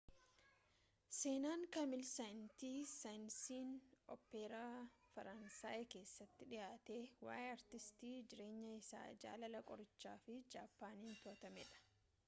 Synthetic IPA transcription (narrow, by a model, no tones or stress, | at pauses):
se̞ːnaːŋkɐmɪlsɐjnt̪iːsɐjnsiːnɔ̰pːeɾaːfɐɾɐnsaːʔɪke̞ːsːɐt̪ːɪᶑɪjaːt̪eːwa̰ːʔɛɐɾt̪ɪst̪iːd͡ʒɪɾe̞ːɲːɐɪsa̰ːd͡ʒa̰ːlɐlɐkʼɔɾɪt͡ʃːaːfɪd͡ʒaːpːaːniːnt̪ʊɐt̪ɐmɛᶑɐ̥